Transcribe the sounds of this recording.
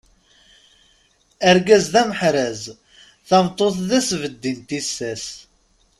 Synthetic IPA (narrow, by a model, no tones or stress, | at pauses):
æɾɡæzðæməħɾæz | θɑmt̪ˤːoθðæsvəd̪ːint̪isːæs